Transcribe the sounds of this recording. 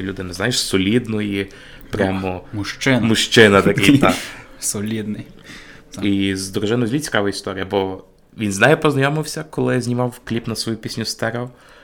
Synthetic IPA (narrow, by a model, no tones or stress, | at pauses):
lʲud̪ɪnɛznajeʃsɔlʲid̪nɔji | pɾʲɑmɔmʊʃt͡ʃɪmʊʃt͡ʃɪnɐt̪ɐkʲɪjt̪a | sɔlʲid̪nɪj | izd̪ɔɾʊʒɪnʊzʲlʲit͡sʲi̥kɑʋɐist̪ɔɾʲijɐbɔ | ʋʲinznɑjɛpɔznɐjɔmɪwsʲɐkɔlˠɪzʲnʲimɑwklʲipnɐsʋɔjupʲisʲnʲʊst̪ɛɾɛɔ